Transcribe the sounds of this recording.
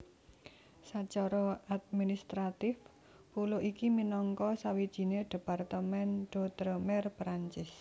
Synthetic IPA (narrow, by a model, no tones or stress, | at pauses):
sat͡ʃɔɾɔad̪̚minist̪ɾat̪ɪf | puloʔikiminɔŋkɔsawid̥ʒ̥i̤neɖ̥e̤part̪əmɛnɖ̥ɔ̤t̪ɾəmɛrpɾaɲt͡ʃɪs